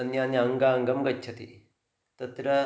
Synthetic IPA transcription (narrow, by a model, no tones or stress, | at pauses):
ɐnjaːnjɐɐŋɡaɐŋɡɐmɡɐtːt͡ʃʰɐt̪ḭ | t̪ɐt̪ɾɐ